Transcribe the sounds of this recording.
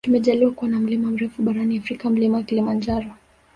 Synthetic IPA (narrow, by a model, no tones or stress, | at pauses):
tumɛʄaliwakuwanam̩limam̩ɾɛfuɓaɾaniafɾikam̩limawakilimand͡ʒaɾɔ